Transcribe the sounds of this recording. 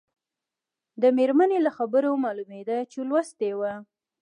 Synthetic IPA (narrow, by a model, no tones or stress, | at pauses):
d̪əmeɾmanelaxabəɾomɑlumed̪at͡ʃelwast̪ewa